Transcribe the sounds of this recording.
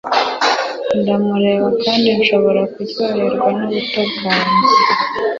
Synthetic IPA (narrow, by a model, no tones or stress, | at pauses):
ndamuɾe̞ːβakʰaːndinʃo̞βo̞ɾakujoːɾe̞ɾɡwanuβutobɡaɾzi